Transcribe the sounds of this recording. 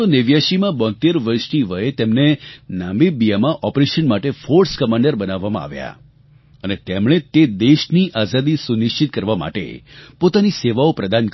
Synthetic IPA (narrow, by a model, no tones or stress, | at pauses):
oneʋjaʃimãbɔ̃nt̪eɾʋəɾʃniʋəet̪emnenãmbibijamãʔɔpɾeʃənmaʈefoɾskəmãɳɖəɾbənaʋːamãa̰ʋja̰ | ənet̪emɽ̃et̪ed̪eʃniʔazad̪isunɪʃt͡ʃit̪̚kəɾʋama̰ʈḛpot̪aniseʋaopɾəd̪ank